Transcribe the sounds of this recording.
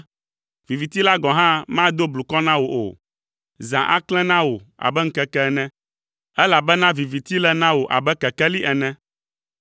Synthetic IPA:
vi˨vi˨t̪i˦la˦ɡɔ̃˨ɦã˦mã˦d̪o˦blu˨kɔ˦nã˦wo˨ʔo̰˨ | zã˨ʔa̰˦klɛ̃˦nã˦wo˨a̰˨bɛ˦ŋ̩˦kɛ˦kɛ˦nɛ̃˦ | ɛ˦la˨bɛ˦nã˦vi˨vi˨t̪i˦lɛ˦nã˦wo˨ʔa̰˨bɛ˦kɛ˨kɛ˦li˦ʔɛ˨nɛ̃˦

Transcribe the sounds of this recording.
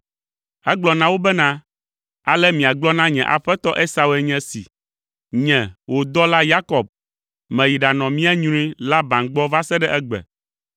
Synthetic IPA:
ɛ˦ɡ͡blɔ˨nã˦wo˦bɛ˦nã˦ | a˨lɛ˦mĩ˨a˨ɡ͡blɔ˦nã˦ɲɛ̃˨ʔa̰˨ɸɛ˦t̪ɔ˦ʔe˦sa˨we˨ɲɛ̃˦sḭ˨ | ɲɛ̃˨wʔo˨d̪ɔ˦la˦ja˦kɔ˨b̚ | mɛ̃˨ji˨ɖa˨nɔ̃˨mĩ˦a˦ɲũ˦ɾĩ˦la˦bã˨nɡ͡bɔ˦va˦sɛ˦ɖɛ˦ʔɛ˦ɡ͡bɛ̰˨

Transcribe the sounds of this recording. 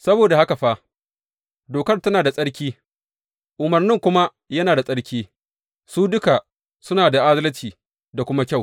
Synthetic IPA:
sɐ˦boː˨da˨ha˦ka˨ɸa˦ | doː˨kɐ˦rtɐ˦naː˨da˨sʼɐ˦ɽkʲiː˦ | ʔʊ˨mɐ˨rnɪ˦ŋkʷʊ˦ma˦ | jɐ˦naː˨da˨sʼɐ˦ɽkʲiː˦ | suː˦dʊ˦ka˨ | sʊ˦naː˨da˨ʔa˦zɐ˦lɐ˦t͡ʃiː˨ | da˨kʷʊ˦ma˦kʲa˦˨w

